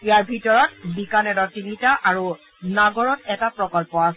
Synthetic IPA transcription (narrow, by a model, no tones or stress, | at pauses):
ijaɹbʱitɔɹɔtbikanɛdɔtiŋitaʔaɹu | naɡɔɹɔtɛtapɹɔkɔlpɔa